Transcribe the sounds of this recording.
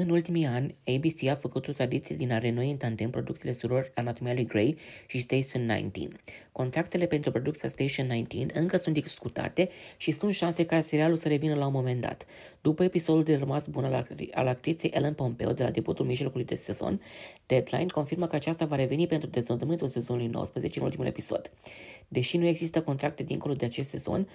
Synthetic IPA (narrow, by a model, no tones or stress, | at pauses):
ɨnult̪imianʲejbisiafəkut̪ot̪ɾad̪it̪siad̪inaɾenoeint̪and̪enpɾo̞d̪ukt̪ile̞suɾo̞ranat̪omialujɡɾejʃist̪eʃonːa̰jnt̪ḭnko̞nt̪ɾak̚t̪e̞le̞pe̞nt̪ɾupɾo̞d̪ukt̪ijast̪ejʃionːajnt̪ḭnɨŋkəsunt̪d̪isskut̪a̰t̪e̞ʃisunt̪ʃanse̞kaseɾialulsəɾe̞vinəlaunmo̞me̞nd̪a̰t̪ | d̪̥upəe̞piso̞d̪uld̪e̞rəmasbunaa̰lak̚t̪ɾit̪sejʔḛlenpo̞mpe̞̰od̪e̞la̰d̪eput̪ulmiʒlo̞kulujd̪e̞̰se̞z̥o̞̰nd̪̥ed̪la̰jnko̞nfirməkəat͡ʃast̪avaɾe̞ve̞nipe̞nt̪ɾud̪e̞zd̪od̪əmɨnt̪ulse̞zo̞nulujno̰wə̰spɾəze̞t͡ʃeɨnult̪imule̞̰piso̞̰d̪̥d̪e̞ʃinue̞ɡzist̪əko̞nt̪ɾak̚t̪e̞d̪iŋko̞lo̞d̪e̞at͡ʃe̞st̪se̞zo̞̰n